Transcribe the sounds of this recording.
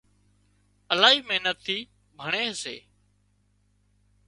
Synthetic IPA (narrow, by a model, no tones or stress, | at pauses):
əlaːɦiːməɦnət̪ʰːiː | bʱəɳeːsḛː